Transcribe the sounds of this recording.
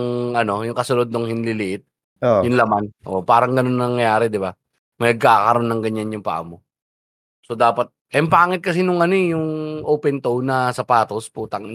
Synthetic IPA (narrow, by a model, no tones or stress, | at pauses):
ŋɐno̞jʊŋkɐsʊnod̪noŋhɪnlɪlɪʔɪt̪̚ | ojʊŋlɐmanʔopaːɾɐŋɡɐno̞nːɐnɐŋjɐjaːɾɛd̪ɪba | mɐnɐɡ̚kaːkɐɾo̞nːɐŋɡɐɲanjʊŋpa̰ʔɐ̰mo | so̞d̪aːpɐt̪̚ʔɐmpaːŋɪt̪̚kɐs̬inʊŋɐno̞jʊŋʔoːpɛnt̪ownɐsɐpaːt̪o̞spuːt̪ɐŋ